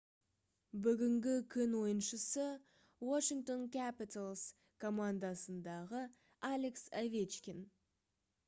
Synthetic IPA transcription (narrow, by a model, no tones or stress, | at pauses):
bʏɡʲɪŋɡʲɪkʲʰʏnwo̞jənʃəsə | waʃiŋkt̪o̞nkʲʰæpit̪alˠs | kʰo̞mand̪ɑsənd̪ɑʁə | alʲeksavʲet͡ʃkʲen